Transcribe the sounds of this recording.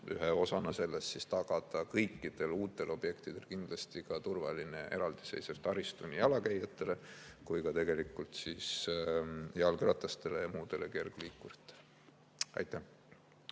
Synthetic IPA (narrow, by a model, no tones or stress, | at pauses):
y̰ɦeo̞sɑnɑse̞lːest̪sist̪ɑɡ̥ɑd̪̥ɑkɤjkːˑid̪̥e̞luːt̪ːˑe̞lo̞b̥je̞kt̪id̪̥e̞lkind̪̥lɑst̪ikɑt̪urvɑ̰lineʔe̞̰ɾɑld̪̥i̥se̞jsevt̪ɑɾist̪unʲiɑlɑkæjɑt̪ːˑe̞le̞ | kujkɑt̪e̞ɡe̞likːˑult̪sis | jeɑlkyɾɑt̪ːˑɑst̪e̞le̞jɑmuːd̪̥e̞leke̞rɡ̥liːkːˑuɾɑt̪ːˑe̥le | ɑ̰jt̪ːˑæh